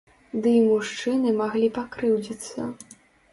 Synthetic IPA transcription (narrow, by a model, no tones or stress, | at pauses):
d̪ɨimuʂt͡ʂɨnɨmaɣlʲipakɾɨwd͡zʲit̪sːɐ̰